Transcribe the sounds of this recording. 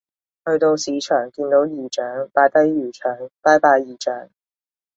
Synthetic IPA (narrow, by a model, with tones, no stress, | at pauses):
hɵ˧ɥt̪o˧wsiː˨˧t͡ʃʰœː˨˩ŋkiː˧nt̪o˨˥wjiː˨˩t͡ʃœː˨˥ŋpaː˨˧˥t̪ɐ˥jɥyː˨˩t͡ʃʰœː˨˩ŋpaː˧˥jpaː˧jjiː˨˩t͡ʃœː˨˥ŋ